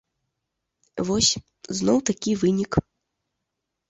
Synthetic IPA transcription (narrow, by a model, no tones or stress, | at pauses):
vɔsʲ | znɔwt̪akʲivɨnʲik